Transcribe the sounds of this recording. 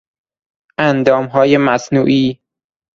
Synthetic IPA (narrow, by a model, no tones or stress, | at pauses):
ʔænd̪ɒːmɦɒːjemæsnuːʔiː